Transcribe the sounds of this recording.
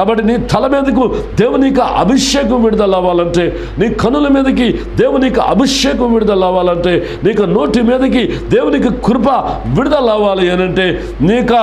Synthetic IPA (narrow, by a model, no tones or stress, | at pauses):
kkaːbɐʈːiniːt̪ʰɐlɐmiːd̪ɐkud̪eːwuniːkɐʔɐ̰bʱiʂjɛːkɐmʋiɽud̪ɐlaːʋaːlɐɳʈe̞ː | niːkʰɐnːulɐmiːd̪ɐkid̪eːwuniːkuʔɐ̰bʱiʂjɛːkɐmʋiɽud̪ɐlaːʋaːlɐɳʈeː | niːkɐno̞ːʈimiːd̪ɐkid̪eːwunikɐkuɾpɐʋiɽud̪ɐlaːʋaːliɐnɐɳʈe̞ː | niːkɐ